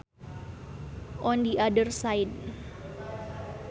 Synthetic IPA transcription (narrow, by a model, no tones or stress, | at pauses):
ʔɔndiʔadərsajd